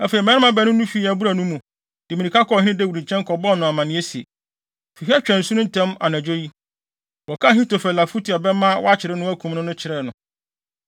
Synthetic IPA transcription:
a˨fe˨i˨m˨ɛ̃˦ɪ˦mã˦bɛ˨˦nʊ̃˦nũ˦fi˦˨æ˨bu˦ɾa˨nũ˦mũ˨ | d̥ɪ˨mĩ˨nĩ˨kʰa˦kʰɔ˦˨hɪ̃˦ɪ̃˦dɛ˦˨wɾĩ˨t͡ɕʰɛ̃˦ŋ˦kʰɔ˨bɔ˦˨nʊ̃˨a˨mã˨nɪ̃˦e˦si˨e˨ | fi˨ɦɛ˦t͡ɕᶣɛ̃˨n̩˨su˦nʊ̃˦n̩˨tʰɛ̃˦ma̰˨næ̃˨d͡ʑᶣo˦ji˦ | wɔ˨kʰa˦˨ɦĩ˦to˨fɛ˨la˨fu˦tʰi˨a˨bɛ˦mã˦wɔ̰˦a˦t͡ɕʰɪ˨ɾɪ˦nʊ̃˦æ˦kʰũ˨mnʊ̃˦nʊ̃˦t͡ɕʰɪ˨ɾɛ˦˨nʊ̃˨

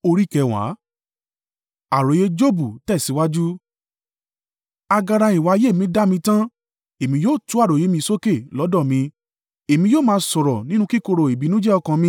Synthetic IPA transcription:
o˧ɾi˦kɛ˧wa̰˨˦ | a˨ɾo˨˦je˦d͡ʒo˦bu˦˨tɛ˦˨si˨˦wa˦d͡ʒu˦ | a˧ɡa˧ɾa˧i˨wa˨˧je˦˨mĩ˧˦da˦mĩ˧tã˦ | e˨mĩ˧joː˦˨tu˨˦a˦˨ɾo˨je˨˦mĩ˧so˦ke˦˨lɔ˨˦dɔ̃˦˨mĩ˧ | e˨mĩ˧joː˦˨mãː˧sɔ˨ɾɔ˨nĩ˦nũ˦ki˦ko˧ɾo˨e˨bi˨˦nũ˦d͡ʒɛ˦ɔ˧kã˧mĩ˧

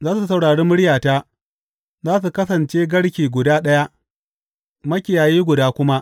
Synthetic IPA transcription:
zaː˦su˨˦sɐ˨wɽaː˨ɽeː˦mʊ˦ɽjaː˨taː˦ | zaː˦s̬u˨kɐ˦sɐ˨nt͡ʃeː˦ɡɐ˦ɽkʲiː˨ɡʷʊ˨daː˦ɗɐ˦ja˦ʔ | mɐ˦kʲɪ˨jaː˨jiː˦ɡʷʊ˨daː˦kʷʊ˦ma˦ʔ

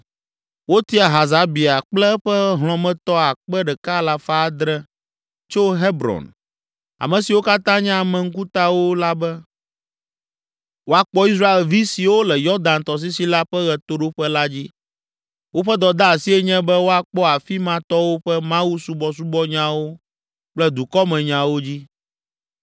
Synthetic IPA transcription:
wo˦t̪i˦a˨ɦa˨za˨˦bi˨a˨k͡plɛ˦ɸɛ˦ɦl̃ɔ̃˨mɛ̃˨t̪ɔ˦a˨k͡pɛ˦ɖɛ˨ka˦la˦fa˦d̪ɾɛ˦ | t͡ʃo˦ɦe˦bɾɔ̰˨n | a̰˨mɛ̃˨si˨wo˦ka˦t̪ã˦ɲã˦˨mɛ̃˨ŋ̩˦ku˦t̪a˦wo˦la˦bɛ˦ | wo˦a˨k͡pɔ˦i˦s̬ɾa˦e˨lvi˦si˨wo˦lɛ˨jɔ˦d̪ã˨nt̪ɔ˨s̬i˦si˦la˦ɸɛ˦ɣɛ˨t̪o˦ɖo˦ɸɛ˦la˦d͡ʑi˦ | wo˦ɸɛ˦d̪ɔ˨d̪a˦a˨si˦ɛ˦ɲɛ̃˦bɛ˦wo˦a˨k͡pɔ˦a˨fi˦mã˦t̪ɔ˦wo˦ɸɛ˦mã˦wu˦su˦bɔ˦s̬u˦bɔ˦ɲã˦wo˦ | k͡plɛ˦d̪u˨kɔ˦mɛ̃˨ɲã˨wo˦d͡ʑi˦

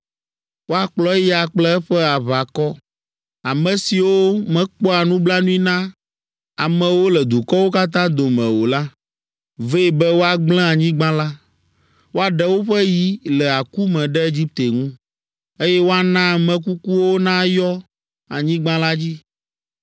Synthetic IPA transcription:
wo˦a˨k͡plɔ˦ja˨k͡plɛ˦ɛ˦ɸɛ˦a˨βa˨kɔ˦ | a˨mɛ̃˨si˨wo˦mɛ̃˨k͡pɔ˦a˨nũ˦bla˦nũ˦i˦nã˦ | a˨mɛ̃˨wo˦lɛ˨d̪u˨kɔ˦wo˦ka˦t̪̬ã˦d̪o˨mɛ̃˨wo˨la˦ | ve˦˨bɛ˦wo˦a˨ɡ͡blɛ̃˦a˨ɲĩ˦ɡ͡bã˦la˦ | wo˦a˨ɖɛ˦wo˦ɸɛ˦ji˦lɛ˨a˨ku˦mɛ̃˨ɖɛ˦e˦d͡ʑi˦p̚t̪e˨ŋũ˦ | e˦jɛ˦wo˦a˦nã˦˨mɛ̃˨k̬u˦ku˦wo˦nã˦jɔ˦ | a˨ɲĩ˦ɡ͡bã˦la˦d͡ʑi˦

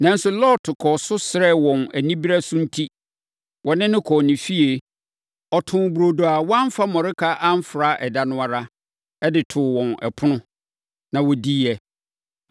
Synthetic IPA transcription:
nã˨n˦sʊ˨lɔː˦tʰʊ˨kʰɔ˨sʊ˦sɪ˨ɾɛ˦˨wɔ̃˨næ˨nĩ˦bi˦ɾa˦sʊ̃˦n̩˦tʰi˦ | wɔ˨nɪ̃˦nɪ̃˦kʰɔː˨nɪ̃˨fi˦e˨ | ɔ˨tʰʊ̃˨bu˨ɾo˨do˨a˨wɔ˦ã˦m˦fa˦mɔ̃˨ɾɪ˦kʰa˦ʔã˦m̩˦fɾa˦ʔɛ˨da˨nʊ̃˦a˨ɾa˦ | ɛ˦dɪ˨tʰʊː˨wɔ̃˨nɛ̰˨pʰʊ˦nʊ̃˦ | nã˨wɔ˨di˦ɛ˨

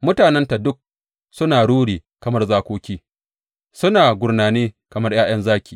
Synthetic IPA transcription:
mʊ˦taː˨nɛ˦nta˨dʊ˦k̚ | sʊ˦naː˨ɽuː˦ɽiː˨kɐ˨mɐ˦rzaː˦kʷoː˦kʲiː˦ | sʊ˦naː˨ɡʷʊ˨rnaː˨neː˦kɐ˨mɐ˦rj̰aː˦j̰ɐ˦nzaː˦kʲiː˨

